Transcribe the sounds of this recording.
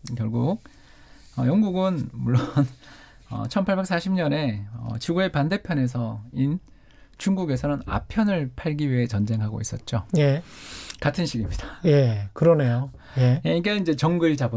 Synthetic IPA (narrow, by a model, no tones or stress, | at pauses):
kjʌɭɡuk̚ | ʌjʌŋɡuɡɯnmuɭːon | ʌ̰t͡ɕʰʌnpʰaɭbe̞k̚s͈ʰaɕʰimɲʌne̞ʌ̰t͡ɕiɡue̞pande̞pʰjʌne̞sʰʌin | t͡ɕuŋɡuɡe̞sʰʌnɯna̰pʰjʌnɯɭpʰaɭɡiɥiɦe̞t͡ɕʌnd͡ʑe̞ŋɦaɡo̰is͈ʌt̚t͡ɕ͈oje̞katʰɯnɕʰiɡimɲidaje̞kɯɾʌne̞jo | je̞jeikaind͡ʑe̞t͡ɕʌŋɡɯɭd͡ʑabu